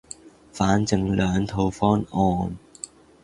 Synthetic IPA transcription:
faː˨˥nt͡sɪ˨ŋlœː˨˧ŋt̪ʰo˧wfɔː˥nɔː˧n

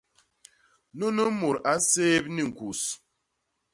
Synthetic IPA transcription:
no˦nə˦mu˨ɾa˦seː˦p̚ni˦˨ŋ̩˨ku˨s

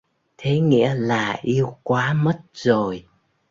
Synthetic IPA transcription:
t̪ʰe˨˦ŋḭ˧˥əlaː˨˩ʔi˧əwkwaː˨˦mə˦˥t̚zo˨˩j

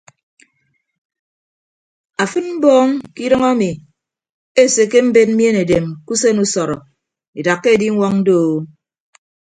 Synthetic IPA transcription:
a˨fɨ˦nm̩˦bɔː˦ŋki˦ɾɨ˦ŋa˦mi˨ | e˦˨se˨ke˦m̩˦be˦t̚m̩˦mje˦ne˨de˨mku˦se˦nu˦sɔ˨ɾɔ˨ | i˨da˨kːe˦˨di˦ŋʷɔ˦ŋn̩˦do˦˨˦

